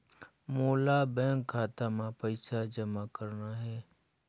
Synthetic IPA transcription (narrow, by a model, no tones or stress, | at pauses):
moːlabɛ̃ːŋkʰːaːt̪amãpəɪsad͡ʒəmakəɾnaɦɛː